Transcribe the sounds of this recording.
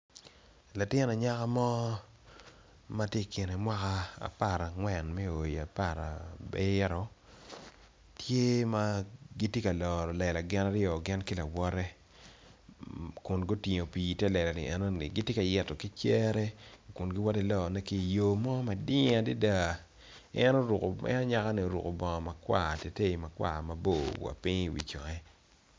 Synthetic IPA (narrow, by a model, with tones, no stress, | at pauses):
la˨tɪ˦na˨ɲa˦ka˦mɔ˦ | ma˦tje˦kɪ˨ne˨mwa˦ka˦a̰˨pa˦˨ɾa˨ŋwɛ˨nmɛ˦o˨i˨a˨pa˦˨ɾa̰˨be˦ɾɔ˨ | tʰje˦ma˦ɡi˦tje˦ka˨lɔ˨ɾɔ˨lɛ˨la˨ɡɪ˦na˦ɾɪɔ˨ɡɪ˦nkɪ˦la˨wɔ˦ɾɛ˦ | kʊ˨nɡo˦ti˨ɲo˨pi˨tɛ˦lɛ˨la˨nɪ̰˨ɛ˦no˦nɪ̰˨ɡi˦tje˦ka˨jɛ˨tɔ˨ki˦t͡ʃɛ˦ɾɛ˦kʊ˨nɡɪ˦wɔ˦ti˨lɔ˨nɛ˦ki˦˨jo˨mɔ˦ma˨dɪ˦ŋa˨di˦da˦˨ | ɛ˦no˦ɾu˨ko˨ɛ̰˦na˦ɲa˦ka˦ni˨o˨ɾṵ˨ko˨bɔ˨ŋɔ˨ma˨kwa̰˦˨te˨te˦i˨ma˨kwa̰˨ma˨bo˦˨wa̰˨pi˦ŋ˦˨wḭ˨t͡ʃɔ˨ŋɛ˦